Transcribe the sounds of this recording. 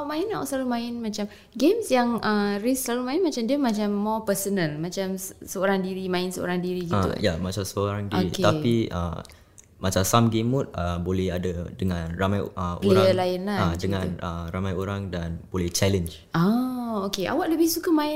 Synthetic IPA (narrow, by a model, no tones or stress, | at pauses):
aʔmãɪnaw̰səlalumãɪnmãt͡ʃam | ɡemsjaŋʔəɾisəlalumãɪnmat͡ʃamdiəmãt͡ʃamːɔpəsənəlmãt͡ʃamssəoɾaŋdiɾimãɪnsəʔo̰ɾaŋdiɾiɡit̪ṵjamat͡ʃamsəoɾaŋdioɾiket̪apiə̰ | mat͡ʃamsamɡemut̚əbolɛhadadəŋãnramajəleɾaəlajənlaadəŋãnəramajoɾaŋdanb̥olɛht͡ʃɛlənd͡ʒ | ʔaokeʔa̰waʔləbɪhsukəmãɪ